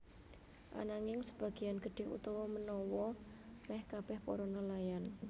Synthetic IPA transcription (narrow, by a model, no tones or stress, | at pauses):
ʔa̰naŋɪŋsəb̥a̤ɡ̥i̤janɡ̥əɖ̪̥e̤ṵt̪ɔwɔmənɔwɔmɛhkab̥ɛhpo̰ɾonɔlajan